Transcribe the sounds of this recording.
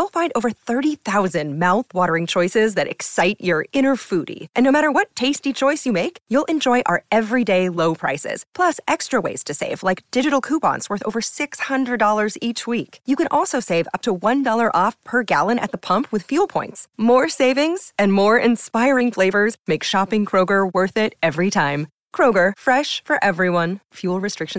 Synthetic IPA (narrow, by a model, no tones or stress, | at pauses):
ulˠfãɪ̃ndoʊvə˞θɜ˞ɾiθaʊzɨ̃nmaʊθwɔɾə˞ɪ̃ŋt͡ʃʰɔɪsɪzðɨɾɨ̰ksaɪt͡ʃə˞ɪ̃ñə˞fʉɾḭʔɨ̃nːoʊmæɾə˞wʌtʰeɪstit͡ʃʰɔɪsjɨmeɪkjulˠʔɨ̃nd͡ʒɔɪʔə̰˞ʔɛvɹideɪloʊpʰɹ̥a̰ɪsɪ̰z̥pʰl̥ʌsʔɛkstɹ̥əwḛɪz̥tʰɨsḛɪv̥laɪk̚d̥ɪd͡ʒɨɾl̩ˠkʰupɑ̰̃ntswɜ˞θo̰ʊvə˞sɪkshʌ̃ndɹɨdɔlˠə˞zit͡ʃwikjɨkɨ̃nʔɔlˠsoʊseɪvʌ̰p̚tʰəwʌ̃ndɔlˠə˞ʔɔfpʰə˞ɡæ̰lˠə̃ñɨ̰t̪̚ðəpʰʌ̃mpʰwɨð̥fjʉlˠpʰɔ̃ɪ̃ntsmɔɹseɪvɪ̃ŋz̥ɨ̃nmɔɹɪ̃nspaɪɹɪ̃ŋfleɪvə˞zmeɪkʃɑpɪ̃ŋkʰɹ̥oʊɡə˞wɜ˞θɪɾɛvɹitʰãɪ̃m | kʰɹ̥oʊɡə˞fɹɛʃfə˞ʔɛvɹiwʌ̃nfjulˠɹɨstɹ̥ɪkʃ